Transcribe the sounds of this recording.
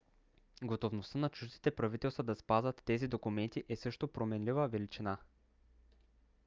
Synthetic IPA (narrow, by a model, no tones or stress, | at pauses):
ɡot̪ovnost̪ənɐt͡ʃuʒd̪it̪ɛpɾɐvit̪ɛlˠst̪vəd̪ɐspazvət̪ːɛzid̪okumɛnt̪iʔɛsɤʃt̪opɾomɛnlivəvɛlit͡ʃina